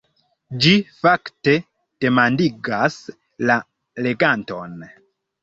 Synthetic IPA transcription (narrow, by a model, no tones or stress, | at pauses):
d͡ʒifakte̞ | d̥e̞mandiɡas | la | le̞ɡanto̞̰n